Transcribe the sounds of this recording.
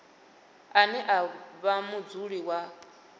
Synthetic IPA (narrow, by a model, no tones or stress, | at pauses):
anɛʔaβamud͡zuɺiwa